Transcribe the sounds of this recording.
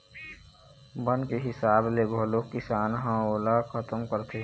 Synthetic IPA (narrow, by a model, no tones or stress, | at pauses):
bənkeɦɪsaːbleɡʱoːlokɪsaːnɦãoːlakʰət̪əmkəɾt̪ʰe